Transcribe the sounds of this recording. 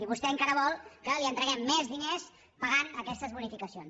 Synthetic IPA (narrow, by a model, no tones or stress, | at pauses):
iβust̪ɛəŋkaɾəβɔlˠkəliənt̪ɾəɣɛmːɛzðines | pəɣanəkɛst̪əzβunifikəsions